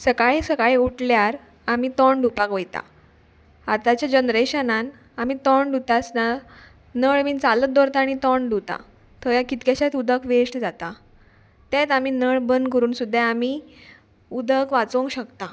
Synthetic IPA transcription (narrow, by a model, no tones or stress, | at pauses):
səkaɭesəkaɭeuʈljaɾ | amit̪ɔɳɖupakʋəjt̪a̰ | at̪at͡ɕjad͡ʑənɾeɕənan | am̤it̪ɔɳɖut̪asna | nəɭʋiːnt͡salət̪̚d̪ɔɾt̪aːɽ̃it̪ɔɳɖut̪a̰ | t̪ʰəjakit̪keɕat̪ud̪ʱəkʰʋeʂʈd͡zat̪a | t̪et̪amiːnəɭbənd̪kəɾuːnsud̪ʱːjaami | ud̪ʱəkʋat͡sõŋkɕəkt̪a